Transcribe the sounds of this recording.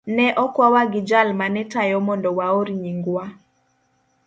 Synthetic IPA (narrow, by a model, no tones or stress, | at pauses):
nɛʔɔkwawaɡɪd͡ʒalmanɛtajɔmɔndɔwaoɾiɲiŋɡwa